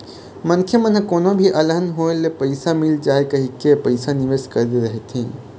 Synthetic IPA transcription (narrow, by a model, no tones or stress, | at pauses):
mənkʰjemənɦəkoːnõbʱiʔɐləɦənɦoːelepəɪsamɪld͡ʒaːekɐɦikepəɪsanɪʋeːskɐɾd̪eɾəɦet̪ʰĩː